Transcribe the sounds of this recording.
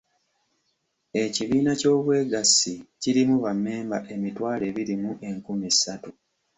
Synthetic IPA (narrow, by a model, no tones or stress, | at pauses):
e̞ciβiːnaco̞ːβwe̞ːɡasiciɾimuβamːe̞ːmbaʔe̞mitwaːle̞βiɾimuʔe̞ŋkumisatu